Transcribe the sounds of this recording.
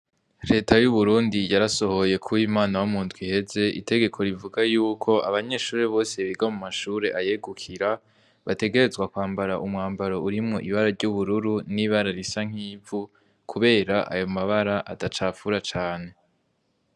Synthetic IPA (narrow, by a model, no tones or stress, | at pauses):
ɾe̞ːtʰajuβuɾuːndijaɾaso̞ho̞je̞kʰuwiːmaːnawumuːndɡwihe̞ze̞ʔḭtʰe̞ɡe̞kʰo̞ɾivuɡajuːkʰo̞aβaɲe̞ːʃuːɾeβo̞ːse̞βiɡamumaʃuːɾe̞ʔajeɡukʰiɾa | βate̞ɡe̞ɾe̞zɡwakwaːmbaɾaʔumŋaːmbaɾo̞uɾimŋo̞ʔiβaɾaɾɟuβuɾuɾuniːβaɾaɾisaŋ̥hiːvu | kʰuβe̞ːɾaʔa̰jo̞maβaɾaʔatat͡ʃaːfuɾat͡ʃaːne̞